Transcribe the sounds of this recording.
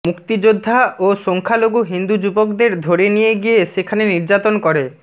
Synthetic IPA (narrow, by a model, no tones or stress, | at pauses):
mukt̪id͡ʑod̪ʱːaʔoʃoŋkʰaloɡuɦind̪ud͡ʑubokd̪eɾd̪ʱoɾenijeɡijeʃekʰaneniɾd͡ʑat̪onkɔɾe